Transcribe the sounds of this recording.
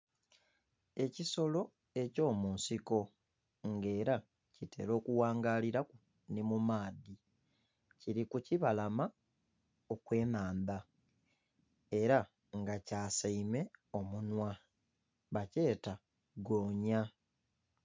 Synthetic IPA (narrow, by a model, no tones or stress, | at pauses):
e̞ciso̞lo̞ | e̞co̞ːmuːnsiko̞ | ŋɡe̞ːɾa | cite̞̰ɾo̞ːkuwaːŋɡaːliɾaku | nemumaːdi | ciɾikuciβalama | okwe̞ːnaːnda | e̞ɾa | ŋɡacaːsaime̞o̞munwa | βace̞ːta | ɡo̞ːɲa